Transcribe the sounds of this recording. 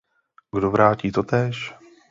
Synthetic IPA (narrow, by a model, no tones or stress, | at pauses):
ɡdovɾaːciːt̪ot̪ɛːʃ